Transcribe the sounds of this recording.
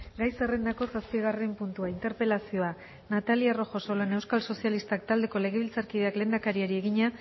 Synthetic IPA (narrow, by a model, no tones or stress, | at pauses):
ɡajse̞re̞nd̪ako̞saspiɣarempunt̪uaint̪e̞ɾpe̞lasio̞a | nat̪aliaro̞xo̞so̞lane̞wskalso̞sialist̪akt̪ald̪e̞ko̞le̞ɣ̞e̞β̞ilt͡saɾkið̞e̞akle̞ːnd̪akaɾiaɾie̞ɣiɲa